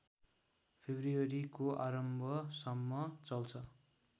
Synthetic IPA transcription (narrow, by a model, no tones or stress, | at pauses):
pʰebʱrujʌɾikoʔaɾʌmbʱʌsʌmːʌt͡sʌlt͡sʰʌ